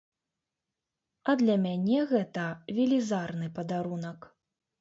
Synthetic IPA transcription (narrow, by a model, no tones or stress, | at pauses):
ɐd̪lʲɐmʲanʲɛɣɛt̪ɐvʲilʲizarn̪ɨpɐd̪aɾunɐk